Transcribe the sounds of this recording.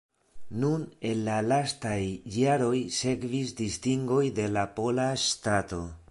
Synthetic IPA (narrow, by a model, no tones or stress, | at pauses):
nune̞nlalastajːaɾo̞jse̞kvisdistiŋɡo̞jde̞lapo̞lastato̞